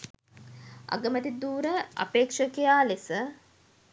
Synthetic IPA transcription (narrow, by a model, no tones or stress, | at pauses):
a̰ɡəmət̪id̪uːɾəa̰peːkʂəkejaːlesə